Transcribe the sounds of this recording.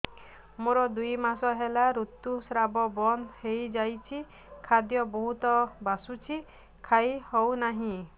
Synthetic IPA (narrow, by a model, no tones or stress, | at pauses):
moɾɔd̪ujmasɔɦelaɾut̪ːusɾabɔbɔnhejd͡ʒajt͡ʃʰi | kʰad̪jɔbɔɦut̪ɔbasut͡ʃʰi | kʰajɦɔwnaɦĩ